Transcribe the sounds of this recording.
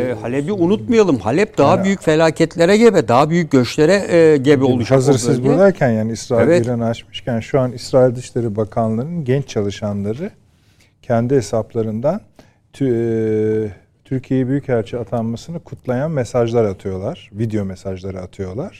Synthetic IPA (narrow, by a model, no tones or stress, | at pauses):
halʲɛbiunut̪̚majalˠɯmhalʲɛp̚d̪̥aɦabyjycfelʲaːcʰɛt̪lʲeɾɛɟebɛd̪aɦabyjyc̚ɟøt͡ʃlʲeɾɛɟebiolˠuʃazɯɾsizbullˠaɾcʰænjaːniisɾaːilvɛiɾanɯat͡ʃmɯʃcʰænʃuanisɾaːilʲd̪ɯʃlʲeɾibakʰanlˠaɾɯnɟɛnt͡ʃt͡ʃʰalˠɯʃanlˠaɾɯ | cʰɛnd̪iɦesaplˠaɾɯnd̪anʰ | t̪ʰyɾcʰijejɛbyjychæɾt͡ʃʰiat̪ʰanmasɯnɯkʰut̪ʰlˠajanmesaʒlˠaɾat̪ʰɯjo̞lˠaɾ̥vid̪ejo̞mesaʒlˠaɾɯat̪ʰɯjo̞lˠaɾ̥